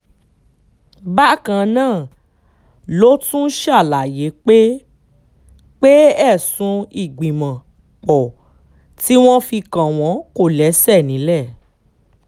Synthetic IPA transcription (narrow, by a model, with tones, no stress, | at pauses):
ba˦kã˧nãː˦˨ | lo˦tũ˦ʃa˦˨la˨je˨˦k͡pe˦ | k͡pe˦ɛ˦˨sũ˧i˨ɡ͡bĩ˨mã˨ | k͡pɔ˨ | ti˦w̃ɔ̃˦fi˧kã˨w̃ɔ̃˨˦ko˦˨lɛ˨˦sɛ˦˨nĩ˨˦lɛ˦˨